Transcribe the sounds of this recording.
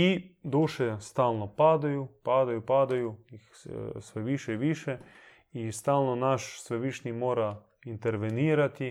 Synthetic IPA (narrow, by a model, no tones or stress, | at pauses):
id̪uːʃɛst̪aːlnɔpaːd̪ajupaːd̪ajupaːd̪ajujixsʋɛʋiːʃɛiʋiːʃɛ | ist̪aːlnɔnaʃsʋɛʋiːʃnimoːɾa | int̪ɛɾʋeniːɾat̪i